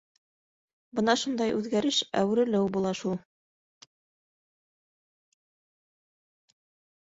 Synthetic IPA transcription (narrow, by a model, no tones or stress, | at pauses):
bɤnɑʃund̪ɑjʔʉðɡæɾɘʃæ̰w̆ɾɘ̆lɘwbulˠɑʃulˠ